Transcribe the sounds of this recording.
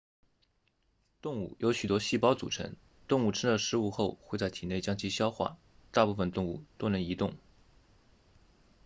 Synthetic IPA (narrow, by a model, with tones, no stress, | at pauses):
t̪ʊ˥˧ŋṵ˥˩jʔo˧˥ʊɕy˨˩t̪wɔ˥ɕi˥˩pɑ˥ʊt͡sṵ˨˩ʈ͡ʂʰə̰˧˥ŋ | t̪ʊ˥˧ŋu˥˩ʈ͡ʂʰə˥ŋlə˨ʂɻ̩˥u˥˧xo˥˧ʊxwe˥˧ɪt͡sa˥˩ɪt̪ʰi˨˩ne˥˩ɪt͡ɕjɑ˥ŋt͡ɕʰi˧˥ɕjɑ˥ʊxwa̰˥˩ | t̪a˥˧pu˥˩fə˧nt̪ʊ˥˧ŋu˥˩t̪o˥ʊnə˧˥ŋi˧˥t̪ʊ˥˩ŋ